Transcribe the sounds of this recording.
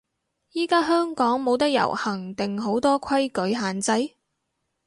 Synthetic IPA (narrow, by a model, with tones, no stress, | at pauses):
jiː˥kaː˥ɦœː˥ŋkɔː˨˥ŋmo˨˧wt̪̬ɐ˥k̚jɐ̰˨˩whɐ˨˩ŋt̪ɪ˨ŋɦo˨˥wt̪ɔː˥kʰɐ˥jkɵ˨˥ɥɦaː˨nt͡sɐ˧˥j